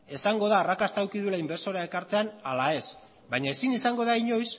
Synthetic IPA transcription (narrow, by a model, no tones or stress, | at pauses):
e̞saŋɡo̞ð̞aːrakast̪awkiðulaimbe̞ɾso̞ɾae̞kaɾt͡se̞analae̞s | bajɲae̞sinisaŋɡo̞ðaiɲo̞js